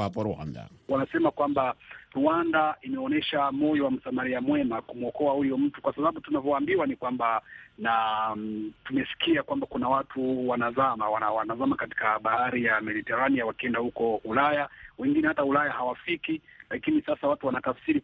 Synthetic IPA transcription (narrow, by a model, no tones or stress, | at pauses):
apɔɾua̰nda̰wanasɛmakwambaɾuandaimɛɔnɛʃamɔjɔwam̩samaɾiamwɛmakumuɔkɔahujɔm̩tukwasaɓaɓutunavɔwaːmbiwanikwambana | tumɛsi̥kiakwambakunawatʰuwanazamawanawanazamakati̥kaɓahaɾijamɛɗitɛɾanijawakiɛndahukɔulajawɛŋɡinɛhataulajahawafikilakinisasawatuwanatafsiɾi